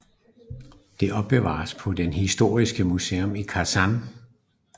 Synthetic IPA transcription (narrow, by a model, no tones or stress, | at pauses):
d̥e̝ʔɒ̽b̥̚b̥e̝ʋɑ̰̈ːspʰɒ̽denhisd̥o̝̰ːisɡ̥əmuseːɔmikʰæsɑn